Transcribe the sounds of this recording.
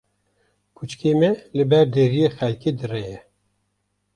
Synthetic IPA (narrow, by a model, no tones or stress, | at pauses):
kʰut͡ʃkeːmɛlɨbɛɾd̪eɾijexɛlkeːd̪ɨrɛjɛ